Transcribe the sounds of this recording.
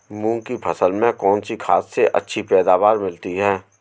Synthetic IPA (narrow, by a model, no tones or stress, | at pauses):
mũːkipʰɐsəlmẽkɔːnsikʰaːsːeʔɐ̰tːʃʰipɛːd̪aːʋaːɾmɪlt̪iɦɛː